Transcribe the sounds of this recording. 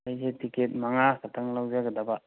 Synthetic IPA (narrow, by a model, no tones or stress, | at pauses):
ajsetiket̚maŋakʰatʰaŋlawd͡ʒaɡɯdaba